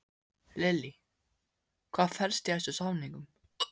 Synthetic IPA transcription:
lɪli | kʰv̥aːðfɛɾst̪ɪɛjsʏsawniŋkʏm

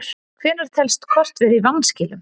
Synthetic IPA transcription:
ɾ̥ | kʰvɛːnaɾ̥t̪ʰɛlst̪kʰvɔr̥t̪vɛɾivanːscɪːlʏm

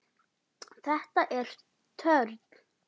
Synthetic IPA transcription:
θɛht̪aʔɛɾ̥ | t̪ʰœɾt̪̚n̥

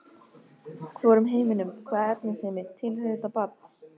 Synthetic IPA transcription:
kʰvɔɾʏmɦeːjmɪnʏmkʰvaːðɛp̚nɪsɛmɪt̪ʰɪlhœɪt̪apat̪̚n

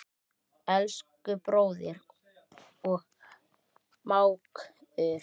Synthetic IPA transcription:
ɛlskʏpɾoːwðɪɾ | ɔɣ | maːwkʏ

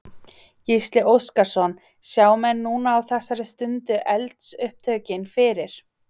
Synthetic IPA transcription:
jist̪lɪʔowskaɾ̥sɔn | sjaːwmɛnːuːnaːwθɛsːaɾɪst̪ʏnt̪ʏʔɛlt̪sʏhp̚t̪ʰœːɥcɪnfɪːɾɪɾ̥

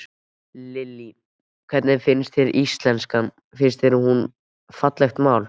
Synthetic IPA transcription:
lɪlːi | kʰvɛt̪nɪfɪnst̪fɪɾʔist̪lɛnskan | fɪnst̪fɪɾɪɦun | fat̪lɛxt̪maːwl

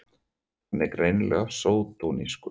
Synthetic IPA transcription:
nːɛkɾejnlʔɛ̰ɣasoːwt̪uniskʏ

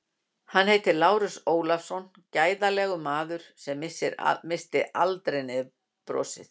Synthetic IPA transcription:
hanheːjt̪ɪlaːwɾɪsoːwlafsɔn | caːjðalɛɣʏmaːðʏɾ̥sɛmɪsɪɾ̰mɪst̪ɪʔalt̪ɾejnɛð | pɾɔ̰ːsɪ̰θ

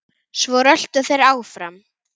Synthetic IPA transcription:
svɔɾœl̥t̪ʏθejɾaːwfɾam

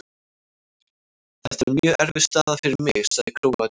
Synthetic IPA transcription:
θɛ̥t̪ɛɾmjœːʔɛɾvɪ̥st̪aːðafɪɾɪɾmɪɣsaðɪkʰɾoːwa

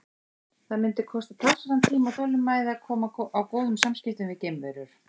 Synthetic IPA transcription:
θaðmɪnt̪ɪkʰɔst̪at̪ʰlasaɾant̪ʰiːmawθowlʏmːaːjðɪakʰɔːmaawkoːwðʏmsamscɪft̪ʏnvɪcejmveɾʏɾ̥

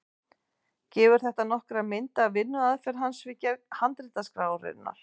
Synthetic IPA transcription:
cɛːvʏɾ̥θɛht̪anɔhkɾamɪnt̪aːðvɪnːʏaðfɛɾɦansvɪcahant̪ɾɪt̪askɾaːwrɪ̰nːa̰ɾ̥

